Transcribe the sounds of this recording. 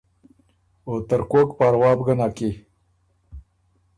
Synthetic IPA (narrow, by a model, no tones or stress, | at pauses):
ot̪əɾkoːkpaːɾwɑːbɡənaːki